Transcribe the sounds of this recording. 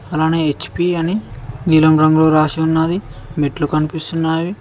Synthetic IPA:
ɐlaːneːet͡ʃːpiːɐniɡiːlɐmɾɐmɡloːɾaːʃiunːaːd̪imeʈlukɐnipist̪unːaːʋi

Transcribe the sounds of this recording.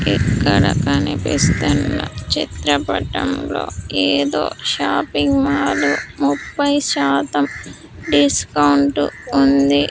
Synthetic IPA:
ikːɐɽɐkɐnipist̪unːɐt͡ʃit̪ɾɐpɐʈɐmlo̞̰ːeːd̪o̞̰ːʃaːpiŋɡmaːlumupːɐjʃaːt̪ɐm | ɖiskɐwɳʈuund̪i

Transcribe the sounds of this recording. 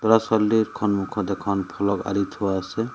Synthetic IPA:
t̪ɔɾasɔlːiɾkʰɔnmukʰɔd̪ekʰɔnpʰɔlɔka̰ɾit̪ʰuwase

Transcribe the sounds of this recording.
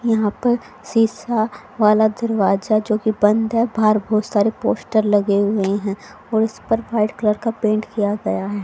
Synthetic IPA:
jɐɦãpɐɾ | siːsa | ʋaːlad̪ɐɾʋaːd͡ʒad͡ʒoːkibɐ̃nd̪ɦɛbʱaːɾbɔːt̪saːɾepoːsʈəɾlɐɡeɦʊeɦɛ̃ | ɔːɾɪspɐɾʋaːɪɖkləɾkapẽːɳʈkijaɡɐjaɦɛː

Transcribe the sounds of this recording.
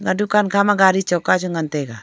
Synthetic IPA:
ŋɡadukankamaɡaɾit͡ʃɔkːat͡ʃuŋɡantɛka

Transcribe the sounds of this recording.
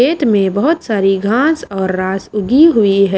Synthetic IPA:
eːt̪mẽbɐɦʊt̪saːɾiɡʱãːsɔːɾːaːsʊɡʱiɦʊiɦɛ

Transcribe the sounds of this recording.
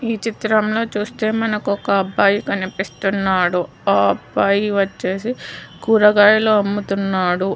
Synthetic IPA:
iːt͡ʃit̪ɾɐmlo̞ːt͡ʃuːst̪e̞ːmɐnɐkɔkɐːbːaːjikɐnipist̪unːaːɽu | aːɐbːaːjiʋɐt͡ʃːe̞ːsikuːɾɐɡaːjiloːɐmːut̪unːaːɽu

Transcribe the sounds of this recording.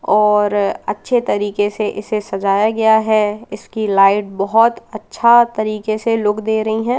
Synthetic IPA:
ɔːɾɐ̰tːʃʰet̪ɐɾiːkeseʔɪsesɐd͡ʒaːjaɡɐjaɦɛɪskilaːɪʈ̚bɐɦɔt̪ɐtːʃʰat̪ɐɾiːkeseloːɡd̪eːɾɐɦiɦɛ̃ː

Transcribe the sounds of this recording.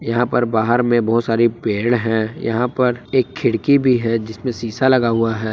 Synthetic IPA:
jɐɦãpɐɾbaːɦəɾmẽbɐɦʊt̪saːɾipeːɽɦɛ̃jɐ̰ɦãpɐɾeːkʰːɪɽkibʱiɦɛd͡ʒɪsmẽsiːsalɐɡaɦuaɦɛː

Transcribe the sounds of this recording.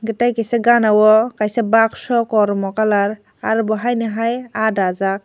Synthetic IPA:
ɡitajkeseɡanawɔkajsabaksɔkɔɾmɔkalaɾ | aɾbɔɦajnɯɦajadazak̚

